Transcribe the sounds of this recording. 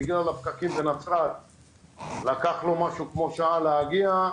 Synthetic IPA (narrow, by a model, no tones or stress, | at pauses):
iɡialapkakimbenat͡sʁal | lakaχlo̞maʃukmo̞ʃaaleaɡia